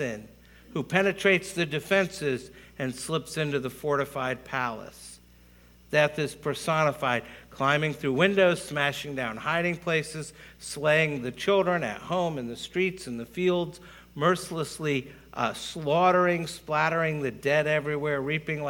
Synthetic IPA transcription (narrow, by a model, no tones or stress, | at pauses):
ɪ̃n | hupʰɛnɨtʰɹ̥eɪtsðɨdɨfɛ̃nsɪzɨ̃nslɪpsɪ̃ntʉðəfɔɹɾɨfaɪd̚pʰælˠə̰s | ðɨθɪz̥pʰə˞sɑnəfaɪd̚kʰl̥ãɪ̃mɪ̃ŋθɹʉwɪ̃ndoʊz̥smæʃɪ̃ŋdãʊ̃nhaɪɾɪ̃ŋpʰl̥eɪsɨz̥sleɪɪ̃ŋðɨt͡ʃʰɪlˠdɹɨ̃nɨ̰ʔ̚hõʊ̃mɨ̃nðɨstɹ̥itsɨ̃n̩ðɨfilˠdz̥ | mɜ˞sləsli | slɔɾə˞ɪ̃ŋsplæɾə˞ɪ̃ŋðɨdɛɾɛvɹiwɛɹɹipɪ̃ŋ